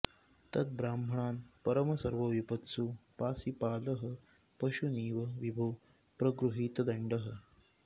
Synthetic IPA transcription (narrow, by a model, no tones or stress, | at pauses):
t̪ɐt̪̚bɾaːmbʱɐɳaːnpɐɾəmɐsɐɾʋɐʋipɐt̪supaːsipaːləɦə | pɐʃuniːʋɐʋibʱow | pɾɐɡɾuɦiːt̪d̪ɐɳɖəɦə